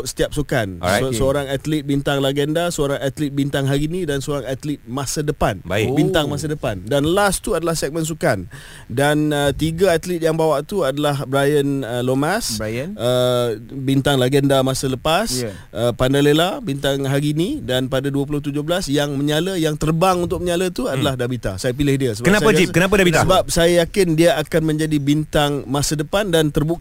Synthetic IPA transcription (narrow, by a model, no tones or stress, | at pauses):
sə̥t̪iap̚sukansəoɾaŋat̪lit̪̚bint̪aŋlaɡɛndasəoɾaŋat̪lit̪̚bint̪aŋɦaɾinĩdansəoɾaŋat̪lit̪̚masadəpanbabint̪aŋmas̬adəpandanlast̪uadalahsɛk̚məns̬ukan | danət̪iɡaat̪lit̪̚jaŋbawaʔt̪uadalahbɾajənəlomãsnəbint̪aŋlaɡəndamasələpas | ʔəpandalelabint̪aŋɦaɾinidanpadaduəp̬ulʊht̪ud͡ʒʊhblasjaŋməɲaləjaŋt̪ərbaŋunt̪ʊk̚məɲalət̪uadalahdabit̪a̰sajap̬ilɪhdiəsəkənapad͡ʒikənapadabit̪saəbap̚sajajakɪndiaakanmə̃ɲd͡ʒadibint̪aŋmasədəpandant̪ərbuk